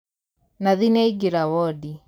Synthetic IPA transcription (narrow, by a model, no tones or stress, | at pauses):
naðinɛiɡeɾawɔdi